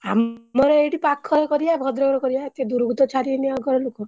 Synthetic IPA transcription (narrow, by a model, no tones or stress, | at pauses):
a̰mɔɾɔeʈipakʰːɔɾɔkɔɾiabʱɔd̪ɾɔɡɾɔkɔɾijaet̪ed̪uɾɡʱut̪ɔt͡ʃʰaɾieniaɡɔɾɔlokɔ